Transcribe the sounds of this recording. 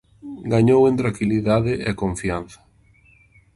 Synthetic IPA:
ɡaɲowent̪ɾaŋkiliðaðɪʔɛkõɱfian̟θɐ̥

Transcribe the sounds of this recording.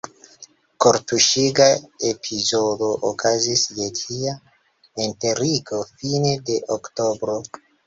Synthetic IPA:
koɾtuʃiɡaepʰizodo̞ʔokʰazisjetʰia | enteɾikofine̞de̞ʔoktobɾo̞

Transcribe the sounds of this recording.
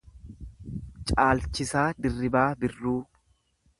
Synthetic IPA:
t͡ʃʼaːlt͡ʃɪsaːd̪ɪrːɪbaːbɪrːuː

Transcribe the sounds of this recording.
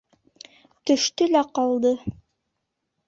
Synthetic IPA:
t̪ɵ̆ʃt̪ɵlæqɑlˠd̪ɤ

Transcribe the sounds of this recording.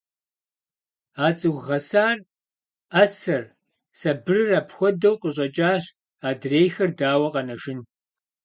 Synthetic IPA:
aːt͡sʼɨwʁɐsaːr | ɐsɐr | sɐbɨrɨraːpxʷɔdɐwqʼəɕʼɐt͡ʃʼaːɕ | aːdreːjxɐrdaːwɐqʼɐnɐʒɪn

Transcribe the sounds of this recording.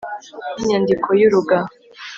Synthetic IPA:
niɲandikʰojuɾuɡa

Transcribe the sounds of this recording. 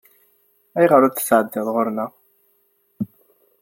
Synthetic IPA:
æjʁəɾʊθə̥sʕəd̪ːɪðˤʁʊɾnæ

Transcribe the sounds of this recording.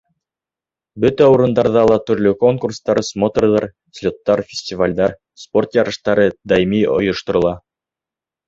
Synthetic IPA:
bɵt̪æuɾɤ̆nd̪ɑɾðɑlˠɑt̪ɵ̆ɾlɵko̞ŋkurst̪ɑɾɤsmot̪orðɑɾ | sʲlʲot̪ːɑɾfʲɪ̥sʲtʲɪvalʲd̪ɑɾ | spo̞rt̪jɑɾɤ̆ʃt̪ɑɾɤd̪ɑjimio̰jŏʃt̪ŏɾɤ̆lˠɑ

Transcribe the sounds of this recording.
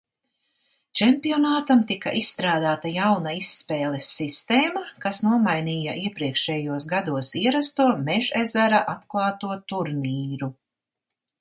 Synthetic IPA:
t͡ʃɛmpiɔnaːt̪amt̪ikaʔisːt̪ɾaːd̪aːt̪ajawnaisːpɛːlˠesːist̪eːmakasnuɔmajniːjaʔiɛpɾiɛkʃɛːjuɔsɡad̪uɔsiɛɾast̪uɔmɛʒɛzæɾaʔat̪klˠɑːt̪uɔt̪uɾniːɾu

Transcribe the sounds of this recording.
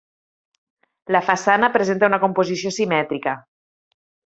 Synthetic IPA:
lafasanəpɾezent̪aunaɐkompozisiosimɛt̪ɾikə

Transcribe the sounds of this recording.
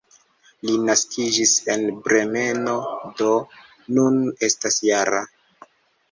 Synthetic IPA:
linaskid͡ʒise̞nbɾe̞me̞no̞do̞ | nune̞stasjaɾa̰

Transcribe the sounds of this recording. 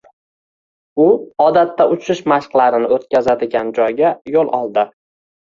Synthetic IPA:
ʊɒd̪at̪ːaʔʊt͡ʃʰɪʃmaʃqlˠaɾɪnɪot̪̚kʲʰazad̪ɪɡʲand͡ʒɒjɡʲajolˠɒ̰lˠd̪ɪ

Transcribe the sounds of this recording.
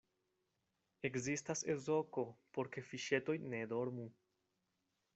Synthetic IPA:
e̞kzistase̞zo̞ko̞po̞ɾke̞fiʃe̞to̞jne̞do̞ɾmu

